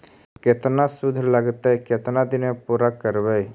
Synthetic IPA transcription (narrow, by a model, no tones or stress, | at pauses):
ket̪nasʊd̪ʱːləɡt̪ɦɛket̪nad̪ɪnmepuːɾakəɾbəj